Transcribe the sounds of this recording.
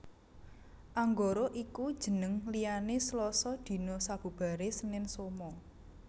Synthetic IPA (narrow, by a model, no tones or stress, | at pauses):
ʔaŋɡoɾoʔikud̥ʒ̥ə̤nəŋlijaneslɔsɔd̪̥i̤nosab̥ṳb̥a̤ɾesənɪnsomɔ